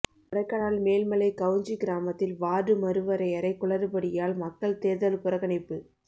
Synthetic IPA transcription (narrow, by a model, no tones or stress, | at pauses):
ʊɽɐɪkːɐɽaːlmeːlmɐlɐɪkɐʋɯɲd͡ʒiɡɪɾaːmɐt̪ːɪlʋaːɾɯmɐɾɯʋɐɾɐɪɐɾɐɪkːʊɭɐɾɯpɐɽɪjaːɭmɐkːɐɭt̪eːðɐlpʊɾɐɣɐnɪpːɯ